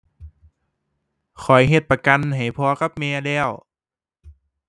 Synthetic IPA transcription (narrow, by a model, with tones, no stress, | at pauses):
kʰɔ˨˩jɦe˧˩t̪̚pa˧ka˧nɦa˨˩jpʰɔː˧ka˧˦˥p̚mɛː˧lɛː˧˥˩w